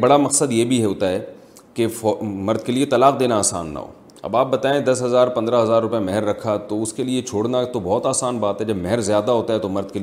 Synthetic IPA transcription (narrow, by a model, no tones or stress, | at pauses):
bɐɽamɐqsəd̪jebʱiɦɛɦoːt̪aɦɛː | kefɔmɐɾd̪̚keliet̪ɐlaːqd̪eːnaaːsa̰ːnːa̰ɦo̰ː | ɐ̰baːp̚bɐt̪aːẽd̪ɐsɦɐzaːɾpɐ̃nd̪ɾaɦɐzaːɾːʊpjamɛɦəɾːɐkʰat̪oʊskeliet͡ʃʰoːɽnat̪obɔːt̪aːsaːnbaːt̪ɦɛd͡ʒɐbmɛɦɛɾzjaːd̪aɦoːt̪aɦɛt̪omɐɾd̪̚keli